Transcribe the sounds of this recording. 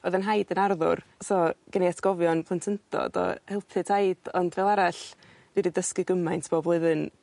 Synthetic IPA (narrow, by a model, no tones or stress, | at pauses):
ɔðənɦajdənarðʊ̰rsɔɡ̥əneatʰɡ̥ɔvjɔnpʰˠəntʰəntʰɔ̰d̥ɔ̰hɛlˠpʰɨtʰajd̥ɔndvɛlˠaɾaɬ | dwididəskɨɡəmajntʰb̥oblˠʊɨðɨn